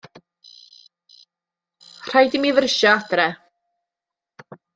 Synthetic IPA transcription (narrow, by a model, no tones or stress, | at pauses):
r̥ajdɪmiðrəʃaadrɛ